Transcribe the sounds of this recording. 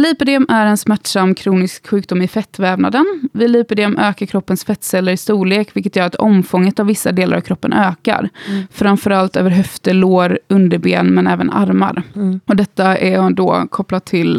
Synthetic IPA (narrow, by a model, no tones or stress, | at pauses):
liːpəɖɛɔmæɾɛnsmæʈʂamːkʰɾuːnɪskɧʉ̟ːk̚d̪ʊmɪfɛt̪ːvɛːvna̰d̪ənvɪlyːpəɖɛɔmʔøːkaɾkʰɾɔpːənsfɛt̪ːsɛlːəɾɪst̪uːleːkvɪlkət̪jœːɾat̪ʰɔ̰mfɔŋːət̪avːɪsːad̪eːla̰ɾa̰v̥kʰɾɔpːə̰nʔøːka̰ɾfɾamfœɾalt̪ø̰ːvəɾɦœft̪əloːɾɵnd̪əɾbḛːnmɛnɛːvə̰na̰ɾma̰ɾɔd̪ɛt̪ːaʔæd̪ɔ̰ːkʰɔpːlat̪ʰːɪl